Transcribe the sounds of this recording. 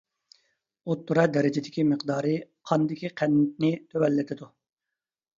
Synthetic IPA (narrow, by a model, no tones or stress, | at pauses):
ot̪ːuɾɑd̪ɛɾɪd͡ʒɪd̪ɪkʲiməqd̪ɑːɾɨqʰɑnd̪ɪkʲiqʰænːt̪̚nɪt̪ʰøwɛlːɪt̪ʰɪd̪u